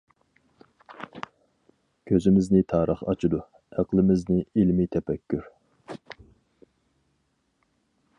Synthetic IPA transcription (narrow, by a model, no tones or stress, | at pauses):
kʲʰøzɪmɪznɪt̪ʰɑːɾʔəχɑ̰t͡ʃʰud̪u | æqlˠɪmɪznɪilmit̪ʰɛpɛkʲʰːyɾ